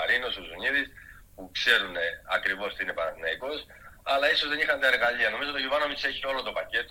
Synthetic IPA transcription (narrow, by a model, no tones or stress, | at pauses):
ɐɾinosozuniðis | pukse̞ɾuneɐkɾivo̞st̪iinepɐnɐneikos | ɐlɐisozðenixɐnt̪ɐe̞ɾɣɐʎiɐno̞mizot̪oʝuvɐnomiseçio̞lot̪o̞pɐce̞t̪